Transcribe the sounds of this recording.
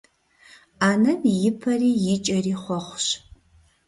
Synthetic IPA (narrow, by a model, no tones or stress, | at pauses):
aːnɐnjɪpʰɐriːjɪt͡ʃʼɐriːχʷɔχʷɕ